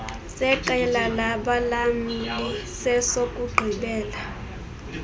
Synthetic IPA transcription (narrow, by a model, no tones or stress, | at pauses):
sɛǃɛlalaɓalam̩lisɛsokʼuɡ͡ǃʱiɓɛːla